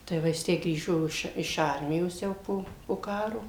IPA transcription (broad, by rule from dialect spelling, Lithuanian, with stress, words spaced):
tɐɪ ˈʋɐ jɪs ˈtʲæː ˈɡrʲiːʒoː ɪʃ ɪʃ ˈɐrʲmʲɪjoːs ˈjɛʊ poː poː ˈkɑːroː